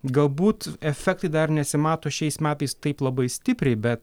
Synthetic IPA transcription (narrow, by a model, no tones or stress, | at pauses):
ɡɐlˠbuːt̪ɛfʲɛk̚t̪ɐɪd̪ɐrnʲɛɐsʲɪmɑːt̪oːʃʲɛɪsmʲæːt̪ɐɪst̪ɐɪplˠɐbɐɪsʲt̪ʲɪpʲɾʲɛɪbʲɛt̪